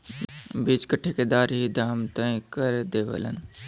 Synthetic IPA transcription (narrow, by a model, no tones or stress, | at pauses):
bid͡ʒkəʈʰeked̪aːɾɦid̪ʱaːmt̪əĩkəɾd̪eːʋə̰lə̰n